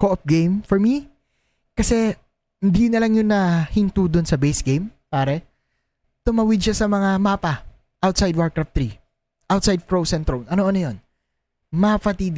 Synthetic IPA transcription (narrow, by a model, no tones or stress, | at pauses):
koʔɐp̚ɡejmfɔɹmi | kɐsɛ | hɪnd̪inɐlɐŋjʊnːɐhɪnt̪ud̪onsɐbejsɡejmpaːɾɛ | t̪ʊmawɪd̪̚ʃɐsɐmɐŋamaːpɐ | ʔawt̪sajd̪̚waɹkɹɐf̚t̪ɾi | ʔawt̪sajd̪̚fɹowsɛnt̪ɾonʔɐnoʔɐnɐjon | mapɐt̪id̪